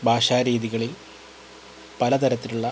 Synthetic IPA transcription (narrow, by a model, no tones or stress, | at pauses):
bʱaːʂaːɾiːðiɣɐɭil | pɐlɐt̪ɐɾɐt̪ːiluɭːɐ